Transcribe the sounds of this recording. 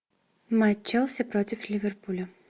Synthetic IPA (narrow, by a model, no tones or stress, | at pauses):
mat͡ʃːɛlˠsʲɛpɾɔt̪ʲiflʲivʲɛɾpulʲɐ